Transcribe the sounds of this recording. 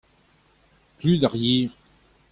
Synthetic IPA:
klyd̪aʁjɛːʁ

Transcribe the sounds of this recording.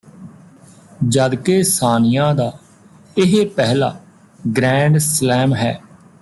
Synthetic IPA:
d͡ʒəd̪keːsaːnɪjãːd̪aː | ɪɦeːpɛɦla̰ː | ɡɾɛ̃ːɳɖslɛːmɦɛ̰ː

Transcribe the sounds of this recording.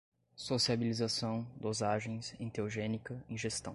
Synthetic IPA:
sosiabilizasɐ̃w̃d̪ozaʒẽj̃sẽt̪eoʒẽnikɐẽʒest̪ɐ̃w̃

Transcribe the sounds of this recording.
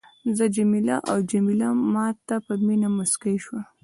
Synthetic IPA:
zad͡ʒamila̰ʔawd͡ʒamilamɑt̪apəminamʊskajʃwa

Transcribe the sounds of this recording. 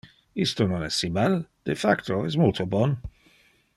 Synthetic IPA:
ɪst̪onɔnɛsimald̪̥efakt̪ʰoɛsmult̪ʰobɔn

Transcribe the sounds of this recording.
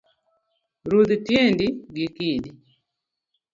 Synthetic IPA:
ɾud̪itjendiɡikidi

